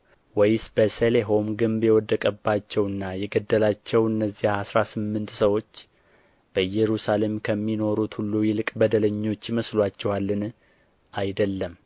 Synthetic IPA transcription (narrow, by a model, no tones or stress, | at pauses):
wɛjsbəseleɦo̞mɡɨmbjɛwɔd̪ːəkʼəbːat͡ʃːɛwɨnːajɛɡəd̪ːəlat͡ʃːɛwɨnːəzːijaasɾasɨmːɨnt̪səwo̞t͡ʃː | b̥əjɛɾusale̞mkʰəmːino̞ɾut̪hulːujɛlɨkʼbəd̪ələɲːo̞t͡ʃːjɪməslwat͡ʃːɛwalːɨn | ʔajd̪əlːəm